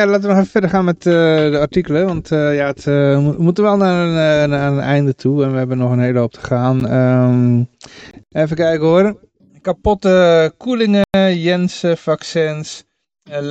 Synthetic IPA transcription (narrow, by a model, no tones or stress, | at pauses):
jalaːtʋənɔxɛfəfɛdərxaːnmɛtədəartikələʋɔntəjaətuəmutəʋɛlˠnaənnaənɛjndətʰuɛnʋəhɛbənɔxəneːləop̚tʰə̥xaːnə | eːfəkɛjkəoəɾə | kapɔtəkʰulɪŋəjɛnsəfaksɛns